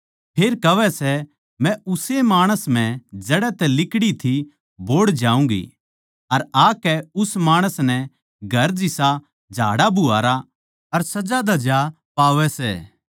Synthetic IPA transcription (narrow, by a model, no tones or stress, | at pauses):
pʰeːɾkɐʋɛsɛ | mɛ̃ʊsemaːɽ̃əsm̤ɛ̃d͡ʒɐɽɛt̪ɛlɪkɽit̪ʰi | boːɽd͡ʒaːũŋɡḭ | ɐɾaːkɛʊsmaːɽ̃əsnɛ | ɡʱɐɾd͡ʒɪsa | d͡ʒʱa̰ːɽabʊa̰ːɾa | ɐɾsɐd͡ʒad̪ɐd͡ʒa | paːʋɛsɛ̰ː